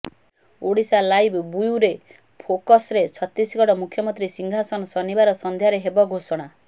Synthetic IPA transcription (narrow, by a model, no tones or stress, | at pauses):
oɽisalajbʱbujuɾe | pʰokɔsɾet͡ʃʰɔt̪ɾisɡɔɽɔmukʰjɔmɔnt̪ɾisiŋɡʱasɔnɔsɔnibaɾɔsɔnd̪ʱjaɾeɦebɔɡʱosɔɽ̃a